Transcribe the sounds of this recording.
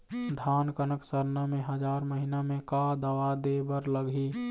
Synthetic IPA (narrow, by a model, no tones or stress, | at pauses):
d̪ʱaːnkənəksəɾnamẽɦəd͡ʒaɾməɦinamẽkad̪əʋad̪ebəɾləɡi